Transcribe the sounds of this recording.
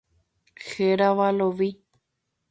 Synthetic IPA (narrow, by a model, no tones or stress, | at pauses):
xeɾaʋaloʋi